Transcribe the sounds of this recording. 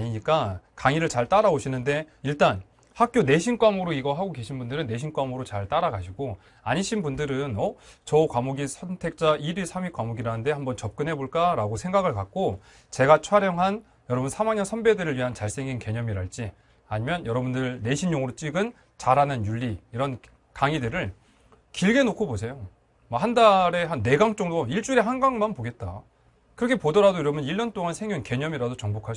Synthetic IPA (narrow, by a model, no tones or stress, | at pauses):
aɲiɲik͈akaŋiɾɯɭt͡ɕaɭt͈aɾaoɕʰinɯnde̞ | iɭt͈an | hak̚k͈jone̞ɕʰink͈wamɯɾoiɡʌɦaɡoke̞ɕʰinbundɯɾɯnːe̞ɕʰink͈wamɯɾot͡ɕaɭt͈aɾaɡaɕʰiɡo | aɲiɕʰinbundɯɾɯnʌt͡ɕʌkwamoɡisʰʌntʰe̞k̚t͡ɕ͈aʔiɾiɭsʰamikwamoɡiɾanɯnde̞hambʌnt͡ɕʌp̚k͈ɯnɦe̞boɭk͈aɾaɡosʰe̞ŋɡaɡɯɭkak̚k͈o | t͡ɕe̞ɡat͡ɕʰwaɾjʌŋɦan | jʌɾʌbunsʰamaŋɲʌnsʰʌmbe̞dɯɾɯɭɥiɦant͡ɕaɭs͈e̞ŋinke̞ɲʌmiɾaɭt͡ɕ͈i | aɲimjʌnjʌɾʌbundɯɭne̞ɕʰinɲoŋɯɾot͡ɕ͈iɡɯn | t͡ɕaɾanɯnjuʎːiiɾʌn | kaŋidɯɾɯɭ | kiɭɡe̞nokʰobosʰe̞jo | mʌhandaɾe̞ɦanːe̞ɡaŋt͡ɕ͈ʌŋdoiɭt͡ɕ͈uɾe̞ɦanɡaŋmanpoɡe̞t̚t͈a̰ | kɯɾʌkʰe̞podʌɾadojiɾʌmjʌniɭːʌnt͈oŋansʰeŋjunke̞ɲʌmiɾadot͡ɕʌŋbokʰa